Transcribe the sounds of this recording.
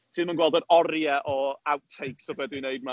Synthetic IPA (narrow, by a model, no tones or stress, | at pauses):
tʰɨːnmanɡwɛlˠdəɾɔɾjɛʔɔawtʰːejksɔvɛdwinejd̚ma